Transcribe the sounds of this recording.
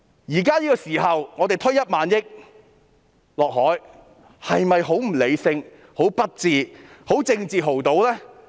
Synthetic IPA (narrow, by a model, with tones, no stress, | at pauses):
jiː˨˩kaː˥jiː˥kɔː˧siː˨˩hɐ˨wŋɔː˨˧d̪e˨jt̪ʰɵ˥ɥjɐ˥t̚maː˨˧˥njɪ˥k̚ | lɔː˨k̚ɦɔː˨˥j | hɐ˨jmɐ˨jɦo˨˥wm̩˨˩le˨˧jsɪ˧ŋ | ho˨˥wpɐ˥t̚t͡siː˨ho˨˥wt͡sɪ˧ŋt͡siː˨ɦo˨˩wt̪o˨˧wlɛː˥